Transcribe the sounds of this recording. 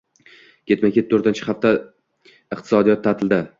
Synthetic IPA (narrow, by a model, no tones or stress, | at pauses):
kʲʰe̞t̪makʲʰet̪̚ʰːoɾt̪ant͡ʃʰɪ̥χaft̪a | ɨqt̪ʰɪsɒd̪ijɒt̪ʰːat̪ʰɪld̪ɪ